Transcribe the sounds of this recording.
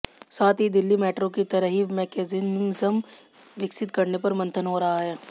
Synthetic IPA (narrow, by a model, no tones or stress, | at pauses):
saːt̪ʰɦid̪ɪlːimɛːʈɾõkit̪ɐɾəɦimɛːkeːzinzəm | ʋɪksɪt̪kɐɾnepɐɾmɐ̃nt̪ʰənɦoɾɐɦaɦɛː